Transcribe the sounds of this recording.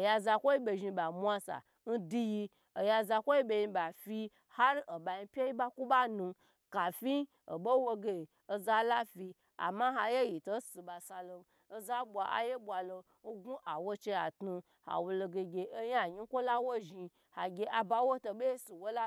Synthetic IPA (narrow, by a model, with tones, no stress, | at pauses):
o˨ja˧za˧kʷo˦i˦bʲe˧ʒi˧ba˨mʷ˦a˧sa̰˨ | n̩˦di˧ji˧ | o˨ja˧za˧kʷo˦ji˦bʲe˧ji˧ba˨fi˧ | ha˦ɾo˨ba˨ji˧pʲe˦ji˦ba˦ku˦ba˦nu˧ | ka˨fi˦ | o˨bo˦wo˧ɡe˦˨ | o˧za˦la˦fi˧ | a̰˨ma˦ɦa˧je˦ji˨to˦si˧ba˨sa˧lo˧ | o˧za˦bʷa˧ʔa̰˦je˦bʷwa˨lo˧ | n̩˦ɡu˦ʔa˨wo˦t͡ʃe˧a˨tnu˧ | ha̰˨wo˨˧lo˧ɡe˧ɡʲe˧ʔo˦ja˦˨ɲi˦kʷo˦la˦wo˦ʒi˧ | ha˨ɡʲe˦ʔa˨ba˧wo˦to˧be˦si˨wo˦la˦